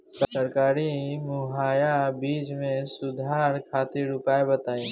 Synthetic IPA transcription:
ssəɾkaːɾimʊɦaːjabiːd͡ʒmẽsʊd̪ʱaːɾkʰaːt̪ɪɾʊpaːebət̪aːi

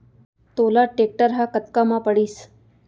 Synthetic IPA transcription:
t̪olaʈek̚ʈəɾɦakət̪kamapəɽiːs

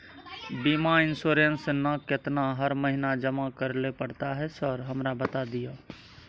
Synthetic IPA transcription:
bimaɪnsoɾensnəkɪt̪naɦəɾməɦinad͡ʒəmakəɾlepəɽt̪aɦɛsəɾɦəmɾabət̪ad̪ija

